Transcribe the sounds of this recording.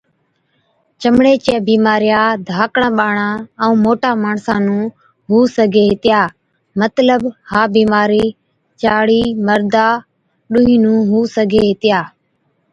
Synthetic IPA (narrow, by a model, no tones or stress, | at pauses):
t͡ʃəmɳeːt͡ʃeːbiːmaːɾɪjaːd̪ʱaːkɳãːɓaːɳãːəũːmoːʈaːmaːɳsãːnũː | ɦuːsəɡʱeːɦɪt̪ɪjaː | mət̪ləbhaːbiːmaːɾiː | t͡ʃaːɽiːməɾd̪aː | ɗʊɦiːnũːɦuːsəɡʱeːɦɪt̪ɪjaː